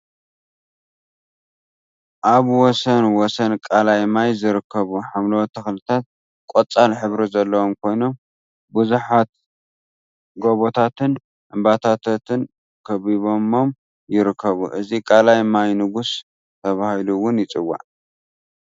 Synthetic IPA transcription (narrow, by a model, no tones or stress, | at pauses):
ʔaβwɔsɐnwɔsɐnkʼalajmajzɨɾɨkʰːɐβuħamlɐwot̪ʰɐxlɨt̪ʰat̪̚ | kʼot͡sʼalħɨβɾizɐlːɐwomkʰo̞jno̞m | bɨzuħat̪̚ | ɡoβot̪ʰat̪ʰɨn | ʔɨmbat̪ʰat̪ʰot̪ʰɨn | kʰɐβiβo̞mo̞m | jɪɾɨkʰːɐβuʔɨzikʼalajmajnɨɡus | t̪ʰɐβahiluwʊnjɪt͡sʼɨwːa̰ʕ